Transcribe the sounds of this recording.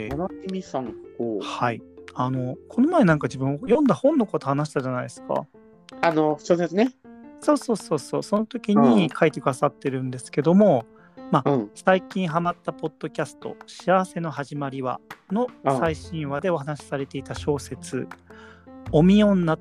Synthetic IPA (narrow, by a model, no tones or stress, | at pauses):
nmʲisãŋohaiano̞kʰo̞no̞mae̞nãŋkad͡ʑibɯ̟̃ɰ̃ojõ̞nd̪ahõ̞nːo̞kot̪ohanaɕ̬i̥t̪aʑanaid̪esɨ̥ka̰ | anoɕoːd̪esɨneso̞ːso̞ːso̞ːso̞ːso̞no̞t̪o̞kʲiɲ̟ikʰaet̪e̞kɯ̟d̪asat̪ːe̞ɾɯ̟̃nd̪e̞sɨ̥ke̞d̪o̞mo̞ | mãsaikʲĩɰ̃ɦamat̪ːapo̞d̪̥ːo̞kʲasɨ̥t̪o̞̰ɕiaβase̞no̞ɦaʑimaɾʲiβa̰no̞saiɕĩɰ̃βad̪e̞o̞hanaɕi̥saɾe̞t̪e̞it̪aɕo̞ːse̞t͡sɨ̰ | omʲiõ̞nːa